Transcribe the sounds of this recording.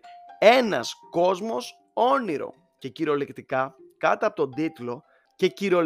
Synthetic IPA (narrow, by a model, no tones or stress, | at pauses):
e̞nɐ̰sko̞zmo̞s | o̞niɾo̞̰ | ce̞ciɾo̞lekt̪ikɐkɐt̪ɐpot̪od̪it̪lo̞ | ce̞ciɾo̞